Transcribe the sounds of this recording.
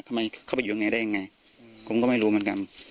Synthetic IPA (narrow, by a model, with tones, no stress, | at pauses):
kʰa˧˩ma˧jkʰa˥˩pa˧˦juː˨˧ŋa˧jdaː˥˩ja˧ŋa˧j | pʰo˨˦mkɔ˥˩˨ma˥˩jɾuː˧mɯ˦ŋka˧n